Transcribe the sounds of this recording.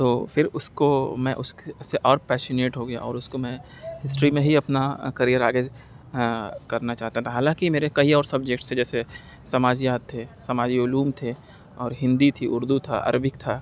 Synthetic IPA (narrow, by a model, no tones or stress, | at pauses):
t̪oːfʰɪɾʊskomɛ̃ʔʊskseʔɔːɾpɛːʃəneːʈɦoɡɐja̰ʔɔːɾʊskomɛ̃ | ɦɪsʈɾimẽɦiɐpnakɐɾijəɾaːɡe | kɐɾnat͡ʃaːɦt̪at̪ʰaɦaːlãːkimeːɾekɐiɔːɾsɐb̚d͡ʒek̚ʈsed͡ʒɛːse | sɐmaːd͡ʒijaːt̪ʰːesɐmaːd͡ʒiʊluːmt̪ʰe | ɔːɾɦɪ̃nd̪it̪ʰiʔʊɾd̪ut̪ʰa̰ʔɐ̰ɾbɪkt̪ʰaː